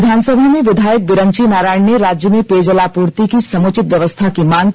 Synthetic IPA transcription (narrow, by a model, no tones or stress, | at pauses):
d̪ʱaːnsəbʱamẽʋɪd̪ʱaːjək̚ʋɪɾənt͡ʃinaːɾaːɳjəɾaːd͡ʒjəmẽpeːd͡ʒəlaːpuːɾt̪ikisɐmoːt͡ʃɪt̪ʋjɐʋəst̪ʰakimaːn